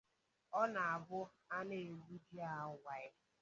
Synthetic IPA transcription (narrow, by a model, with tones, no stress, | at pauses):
ɔ˦na˨a˨bʊ˦ | a˦ne˦˨bu˦di˦a˨ʊ˨˦wʷa˨ɪ˦